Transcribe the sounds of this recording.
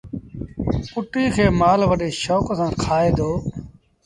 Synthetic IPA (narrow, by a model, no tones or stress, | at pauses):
ʊʈiːkʰeːmaːlʋəɗeːʃoːksãːkʰaːeːd̪oː